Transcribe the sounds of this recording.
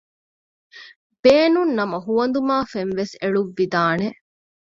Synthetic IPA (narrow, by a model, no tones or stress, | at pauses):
b̥eːnunːɐmɐɦuʋɐnd̪umaːfenʋeseɭuʋːid̪aːne